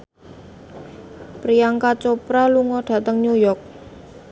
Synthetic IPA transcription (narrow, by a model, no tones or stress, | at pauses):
pɾijaŋkat͡ʃopɾaluŋɔɖ̥ä̤t̪əŋɲujɔk̚